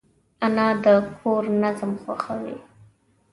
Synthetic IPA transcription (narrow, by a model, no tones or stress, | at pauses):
anɑd̪əkʰoɾnazmxwaxawḭ